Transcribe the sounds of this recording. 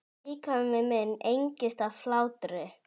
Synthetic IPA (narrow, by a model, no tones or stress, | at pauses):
iːkʰavʏmɛmɛnːejɲcɪst̪aflaːwt̪ɾɪ